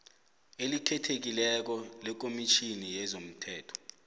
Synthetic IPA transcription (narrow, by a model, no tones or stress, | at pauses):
elitʰɛtʰek̬ilɛk̬ɔlɛk̬omit͡ʃʰinijɛzom̩tʰɛːtʰɔ̥